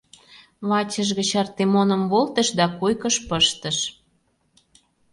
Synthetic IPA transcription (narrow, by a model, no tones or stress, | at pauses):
βɑt͡ɕə̆ʃ̬ɣə̆t͡ɕɑrt̪emonə̆mβolt̪ə̆ʃd̪ɑkujkə̆ʃpəʃt̪ə̆ʃ